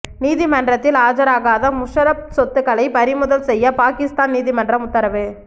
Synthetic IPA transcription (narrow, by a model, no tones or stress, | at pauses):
niːðimɐnɖrɐt̪ːɪlaːd͡ʒɐɾaːɣaːðɐmʊʂɐɾɐp̚sɔt̪ːɯkːɐɭɐɪpɐɾɪmʊðɐlsɛjːɐpaːkɪst̪aːnniːðimɐndrɐmʊt̪ːɐɾɐʋɯ